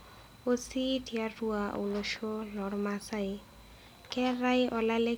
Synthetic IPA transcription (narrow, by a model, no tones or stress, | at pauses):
ositiaɾuao̰wlɔʃolɔɽmasaj | kɛɾajʔɔlale